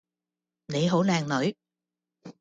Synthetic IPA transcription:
ne˨˦ɦo̰˧˥˦laː˨˩ŋnɔː˨˦j

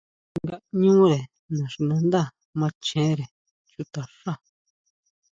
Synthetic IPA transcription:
ŋɡa˧ɲũː˦ɾe˨ | nã˨ʂi˧nã˧nd̪a˦˨ | mã˧˦t͡ʃẽ˨˦ɾe˨ | t͡ʃu˧t̪a˨ʂa˦˨

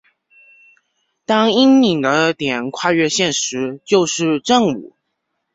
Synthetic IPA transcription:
t̪ɑ˥ŋi˥ŋi˨˩ŋd̪ə˦t̪jɛ˨˩nkʰwa˥˧ɥɛ˥˧ɕjɛ˥˩nʂɻ̩˧˥˦t͡ɕjo˥˧ʊʂɻ̩˥˧ʈ͡ʂə˥˩ŋṵ˨˩˦

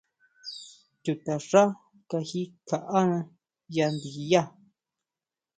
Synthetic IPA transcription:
t̪ʲu˨t̪a˨ʂa˦ | ka˧hi˦kʰa˨ʔa˦nã˧ | ja˧nd̪i˨i˧ja˦˨

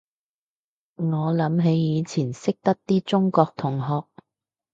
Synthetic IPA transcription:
ŋɔː˨˧lɐ˨˧mɦe˨˥jːiː˨˧t͡sʰiː˨˩nsɪ˥k̚t̪ɐ˥k̚t̪iː˥t͡sʊ˥ŋkɔː˧k̚t̪ʰʊ˨˩ŋɦɔː˨k̚

